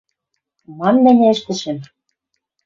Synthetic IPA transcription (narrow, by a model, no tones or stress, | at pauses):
mɑnːæ̆nʲĕɘ̆ʃt̪ɘ̆ʃɘ̆m